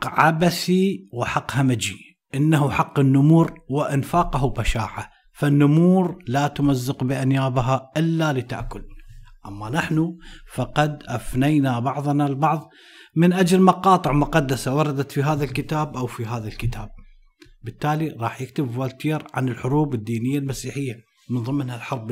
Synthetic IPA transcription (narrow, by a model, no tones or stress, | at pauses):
qːʕabasiwɪħɑqːhamad͡ʒi | ʔɪnːaɦuħɑqːɪnːʊmuːɾwɪʔɪnfaːqɑɦubaʃa̰ːʕa | fanːʊmuːɾlat̪ʊmazːɪqbɪʔanjaːbɦaʔɪlːalɪt̪a̰ʔkʊlʔamːanaħnufɑqɑd̪ʔafnajnabɑʕðˤɑnalbɑʕðˤ | mɪnʔad͡ʒlmɑqɑːt̪ˤɨʕmʊqɑd̪ːasawɑɾˤɑd̪at̪fiɦaːðalkɪt̪aːbʔawfiɦaːðalkɪt̪ʰaːb̚ | bɪt̪ːaːliɾˤɑːħjɪkt̪ɪbvwalt̪iːɾʕa̰nɪlħʊɾuːbɪd̪ːiːnɪjːalmasiːħɪjːa | mɪnðˤɨmːnhalħɑɾˤb